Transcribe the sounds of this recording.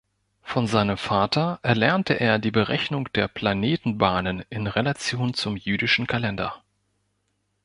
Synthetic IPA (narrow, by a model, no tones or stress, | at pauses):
fɔnzaɪnəmfaːtʰɐʔɛɐlɛɐntʰəʔeːɐdiːbəʁɛçnʊŋd̥eːɐpl̥aneːtn̩baːnənɪnʁelat͡sjoːnt͡sʊmjyːdɪʃn̩kʰalɛndɐ̰